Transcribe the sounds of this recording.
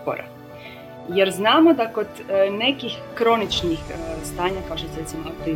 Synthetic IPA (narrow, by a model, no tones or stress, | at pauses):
po̰ɾa̰ | jeɾznaːmo̞d̪ako̞d̪ne̞kixːɾo̞nit͡ʃnixst̪aːɲakaoʃt̪oseɾet̪imoak̚t̪i